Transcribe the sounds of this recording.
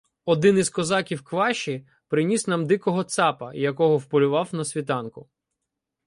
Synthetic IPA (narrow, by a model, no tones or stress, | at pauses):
ɔd̪ɪnizkɔzɑkʲiwkʋɑʃi | pɾɪnʲisnɑmd̪ɪkɔɦɔt̪sɑpɐjɐkɔɦɔwpɔlʲʊʋɑwnɐsʲʋʲit̪ɑnkʊ